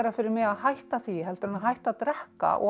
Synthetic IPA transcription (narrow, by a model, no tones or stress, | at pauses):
ɾafɪːɾɪɾmɛɣaðɦajht̪aθiɦɛlt̪ʏɾʏnaɦajht̪at̪ɾɛhka̰ʔɔ̰